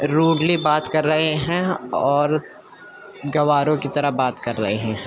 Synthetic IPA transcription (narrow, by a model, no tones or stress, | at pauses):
ɾuːɖlibaːt̪kɐɾːɐɦeɦɛ̃ɔːɾ | ɡɐʋaːɾõkit̪ɐɾəɦbaːt̪kɐɾːɐ̰ɦeɦɛ̃